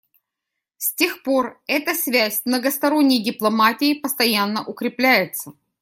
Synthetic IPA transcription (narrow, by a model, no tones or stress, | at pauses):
sʲtʲe̞xpo̞rɛt̪əsʲvʲæsʲmnəɡəst̪ɐɾo̞nʲːɪjdʲɪplˠɐmatʲɪɪpəst̪ɐjanːəʔʊkɾʲɪplʲæjɪt̪sə